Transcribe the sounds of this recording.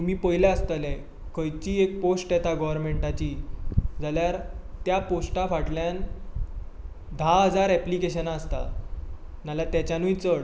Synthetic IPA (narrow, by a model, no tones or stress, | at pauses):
t̪umiːpəjlaəst̪əlɛ | kəjt͡ɕiːek̚posʈɛt̪aɡɔʋəɾmeɳʈat͡ɕiːd͡zaljaɾt̪japosʈafaʈljan | d̪ʱaɦəd͡zaɾæplikeɕənaːst̪a̰ | nalat̪jat͡ɕjanũit͡səɽ